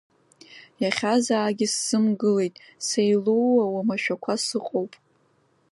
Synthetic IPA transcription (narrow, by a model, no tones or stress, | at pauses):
jaχʲazaːɡʲɪsːɨmɡɨle̞jtʼsejluwawamaʃᶣakʷʰasɨqʼowpʼ